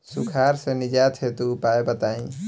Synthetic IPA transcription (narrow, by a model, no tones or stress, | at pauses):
sukʰaɾsẽnid͡ʒat̪ʰet̪uːpaebət̪aĩ